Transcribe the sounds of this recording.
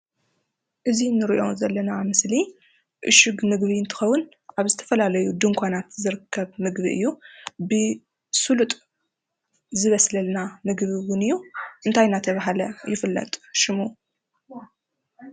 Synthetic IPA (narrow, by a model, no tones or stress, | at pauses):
ʔɨzinːɨɾiʔo̞zɐlːɐnamɨsli | ʔɨ̰ʃɨɡmɨɡβiɨnt̪ʰɨ̥xɐwːʊn | ʔaβzɨt̪ʰɐ̥fɐlalɐjud̪ɨŋkʷʰanat̪zɨɾɨkʰːɐβmɨɡβḭʔɨ̰jːubɨ | sulut̪ʼ | zɨβɐslɐlnamɨɡβiwʊnɨjːuʔɨnt̪ʰajnat̪ʰɐβaɦalɐjɪfɨlːɐ̰t̪ʼʃɪmu